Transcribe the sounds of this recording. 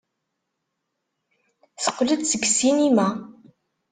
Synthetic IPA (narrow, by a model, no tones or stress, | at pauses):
θə̥qːləd̪səɡsinimæ